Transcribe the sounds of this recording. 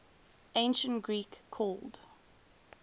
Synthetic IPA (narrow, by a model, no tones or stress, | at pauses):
ẽɪ̃nʃə̃ntɡ̥ɹiːkʰːɔːlˠd̥